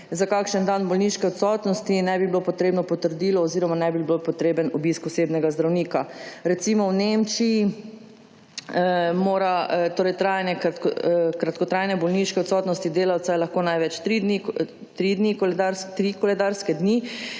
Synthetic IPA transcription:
zakaːkʃənd̪anbɔlniʃkɛɔt̪sɔt̪nɔst̪inɛbibilopɔt̪ɾeːbnɔpɔt̪əɾd̪iːlɔːziɾɔmanɛbiblopɔt̪ɾeːbənɔbiskɔsebnɛɡazd̪ɾawniːkaɾɛt̪simɔwnemt͡ʃiji | moːɾat̪oːɾɛjt̪ɾajnɛk̪ | kɾat̪kɔt̪ɾajnɛbɔlniʃkɛɔt̪sɔt̪nɔst̪id̪eːlawt̪sajɛlaxkoːnajʋɛt͡ʃt̪ɾid̪ni | t̪ɾid̪nikɔlɛd̪aɾst̪ɾikɔlɛd̪aɾskɛd̪ni

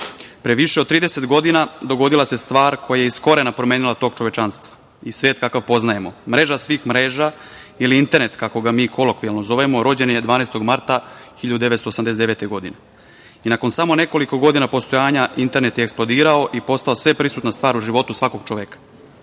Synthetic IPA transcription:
pɾeʋiʃeod̪t̪ːɾiːd̪ese̞t̪ɡo̞d̪inad̪o̞ɡo̞d̪ilˠase̞st̪ʋaːɾkʰo̞jajeisko̞ɾe̞napɾomeːnilat̪o̞ːɡ̚t͡ʃoʋet͡ʃanst̪ʋḁ | isʋeːt̪̚kakaʋpo̞znaje̞mo̞mɾe̞ːʒasʋiːxmɾeʒailiint̪eɾne̞t̪kako̞ɡamiːkʰo̞lˠokʋialnozo̞ʋemo̞ɾo̞d͡ʑe̞ned̪ʋaːnest̪o̞ɡmaɾt̪axiʎad̪ud̪eʋet̪st̪osamd̪es̬ed̪eʋet̪eɡo̞d̪ine | inako̞nsamo̞ne̞ko̞liko̞ɡo̞d̪inapo̞st̪ojaːɲaʔint̪e̞ɾnet̪jeksplˠod̪iːɾao̞ʔipo̞st̪aosʋe̞pɾisuːt̪nast̪ʋaːɾuʒiʋo̞t̪usʋako̞ɡ̥t͡ʃoʋekḁ

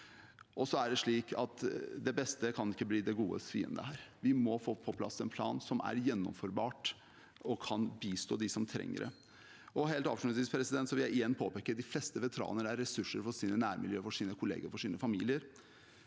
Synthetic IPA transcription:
ʔɔsɔæɖɛʂɭiːkʰɑt̪d̪ɛbɛst̪əkʰɑnɪkːəbliːd̪ɛɡuːə̰sfḭːə̰nd̪ə̰hæːɾʋɪmɔfoːpʰɔpʰlɑ̰sɛnpʰlɑ̰ːnsɔmæ̰ɾjɛnːɔ̰mfɔɾbɑːʈ | ɔkʰɑnbiːst̪ʰo̰ːd̪ɪsɔmt̪ʰɾɛ̰ŋːə̰ɾʔə̰ | ɔɦeːlt̪ɑ̰ːfʂʉsɪspʰɾɛsɪd̪ɛnt̪sɔʋɪljæɪɪjɛnːpʰoːpeːkːəd̪ɪflɛst̪əʋɛt̪əɾɑ̰ːnəɾæɾɛsʉʂːəɾfɔsiːnənæːɾmɪljøːfɔʂiːnəkʰʊlḛːɡəɾfɔʂiːnəfɑmiːlɪəɾ

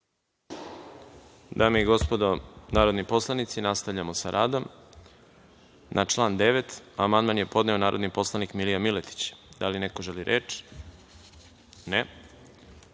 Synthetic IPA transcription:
d̪ameiɡo̞spod̪onaːɾod̪nipo̞slˠanit̪sinast̪avʎamosaɾʔaːd̪o̞m | nʔat͡ʃlˠaːnd̪eʋet̪amand̪manje̞po̞d̪ne̞o̞naːɾʔo̞d̪nipo̞slˠanikmilijamilet̪i̥t͡ɕd̪alinekoʒeliɾʔḛːt͡ʃ | ne

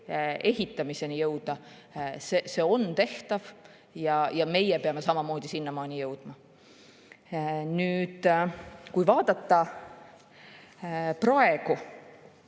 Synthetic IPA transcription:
e̞ɦit̪ːˑɑmise̞nijɤwd̪̥ɑ | sese̞ːo̞nt̪e̞ht̪ɑv | jɑjɑme̞jɛpe̞ɑme̞sɑmɑmo̞ːd̪̥isinːɑmɑːnijɤwd̪̥mɑ | nyːd̪̥kujvɑːd̪ɑt̪ːɑ | prɑe̞ɡu

